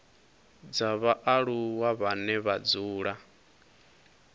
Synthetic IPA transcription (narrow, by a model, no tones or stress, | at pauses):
d͡zaβaʔaɺuwaβanɛβad͡zuːɺa